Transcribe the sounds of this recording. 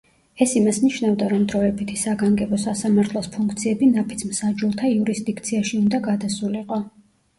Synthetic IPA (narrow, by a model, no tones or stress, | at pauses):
ɛsimasniʃnavd̪aɾɔmd̪ɾɔɛbit̪ʰisaɡaŋɡɛbɔsasamaɾt̪ʰlˠɔspʰuŋk̚ʰt̪sʰiɛbinapʰit̪sʰmsad͡ʒulˠt̪ʰaiuɾisd̪ikʰt̪sʰiaʃiund̪aɡad̪asuliqʼɔ